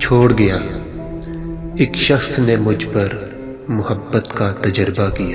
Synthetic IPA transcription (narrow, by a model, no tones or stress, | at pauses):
t͡ʃʰoːɽɡɐjaː | eːkʃɐxsnemʊd͡ʒʱpɐɾ | mʊɦəbːət̪kat̪ɐd͡ʒəɾbakijaː